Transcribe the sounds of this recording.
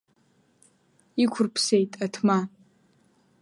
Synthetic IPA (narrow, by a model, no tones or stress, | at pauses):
ikʷʰʊrpʰsejtʼatʰma